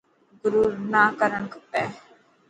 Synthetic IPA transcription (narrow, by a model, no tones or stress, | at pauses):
ɡʊɾuːɾnaːkəɾənkəpɛː